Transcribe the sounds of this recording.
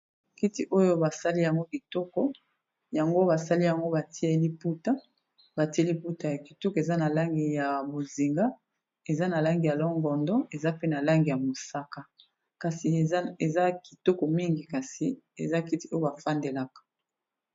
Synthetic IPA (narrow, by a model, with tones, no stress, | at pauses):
ki˦ti˦ʔo˦jo˦ba˨sa˦li˦ja˨ŋɡo˦ki˨tɔ˦kɔ˦ | ja˨ŋɡo˦ba˨sa˦li˦ja˨ŋɡo˦ba˨ti˦e˦li˦pu˦ta˦ | ba˨ti˦e˦li˦pu˦ta˨ja˨ki̥˨tɔ˦ke˨za˦na˨la˦ŋɡi˨ja˨bo˨zi˨ŋɡa˦ | e˨za˦na˨la˦ŋɡi˨ja˨lɔ˦ŋɡɔ˨ndɔ˦e˨za˦pe˦na˨la˦ŋɡi˨ja˨mo˨sa˦ka˦ | ka˨si˨˦e˨za˦ki˨to˦kɔ˨mi˦ŋɡi˨ka˨si˨ḛ˨za˦ki˦ti˨˦o˦jo˦ba˨fa˦nde˨la˨kḁ˨